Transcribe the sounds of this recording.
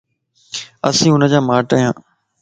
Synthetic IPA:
əsĩːʊnəd͡ʑaːmaːʈəjãː

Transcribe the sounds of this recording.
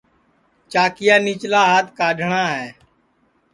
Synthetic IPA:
t͡ʃaːkɪjaːniːt͡ʃlaːɦaːt̪ʰkaːɗʱɳãːɦɛː

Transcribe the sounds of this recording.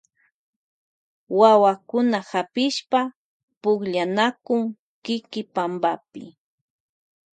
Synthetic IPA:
wawakʊnahapɪʃpa | pʊkʎanakʊŋ | kɪkɪpambapɪ̰

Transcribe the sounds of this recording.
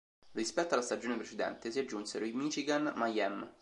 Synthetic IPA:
rispɛt̪ːoalast̪ad͡ʒoːnepɾet͡ʃed̪ɛ̰nt̪esiad͡ʒːunseɾoimit͡ʃiɡanmajɛm

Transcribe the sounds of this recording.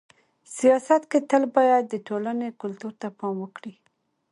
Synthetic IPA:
sijɑsat̪ket̪əlbɑjad̪̚ːəʈolanekʊlt̪uɾt̪apɑmwəkɽi

